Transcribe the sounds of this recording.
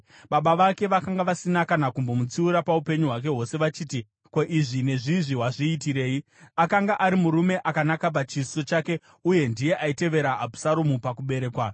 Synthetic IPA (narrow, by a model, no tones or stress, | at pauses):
ɓaɓaʋake̞ʋakaŋɡaʋasinakanakumbo̞mut͡siuɾapaupe̞ɲuɦwak̬e̞ɦo̞se̞ʋat͡ʃiːti | koʔiʐine̞ʐiʐiɦwaʐiːtiɾe̞ːi | akaŋɡaʔaɾimuɾume̞ʔakanakap̬at͡ʃiso̞t͡ʃake̞ | uje̞ndije̞ʔaite̞ʋe̞ɾaːbu̥saɾumupakuɓe̞ɾe̞ːkwa